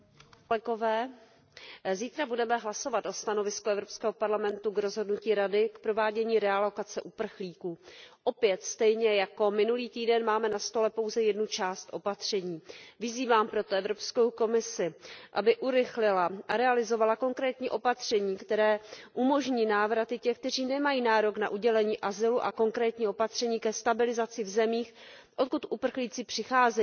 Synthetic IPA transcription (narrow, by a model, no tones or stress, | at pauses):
ɛɡo̞vɛː | ziːt̪ɾabudɛmɛɦlaso̞vat̪ʔo̞st̪ano̞vɪskuʔɛvɾo̞pskɛːɦo̞paɾlamɛnt̪uɡɾo̞zɦo̞dnuciːɾadɪkpɾo̞vaːɟɛɲiːɾɛalo̞kat͡sɛʔupr̩xliːkuːʔo̞pjɛt̪st̪ɛjɲɛjako̞mɪnuliːt̪iːdɛnmaːmɛnast̪o̞lɛpo̞wzɛjɛdnut͡ʃaːst̪ʔo̞pat̪r̝̥ɛɲiːvɪziːvaːmpɾo̞t̪oɛvɾo̞pskowko̞mɪsɪʔa̰bɪʔuɾɪxlɪlaʔaɾɛalɪzo̞valako̞ŋkɾɛːt̪ɲiːʔo̞pat̪r̝̥ɛɲiːkt̪ɛɾɛːʔumo̞ʒɲiːnaːvɾat̪ɪcɛxk̚t̪ɛr̝iːnɛmajiːnaːɾo̞kna̰ʔuɟɛlɛɲiːʔazɪluʔako̞ŋkɾɛːt̪ɲiːʔo̞pat̪r̥ɛɲiːkɛst̪abɪlɪzat͡sɪvzɛmiːxʔot̪̚kut̪ʔupr̩xliːt͡sɪpr̝̥ɪxaːzɛ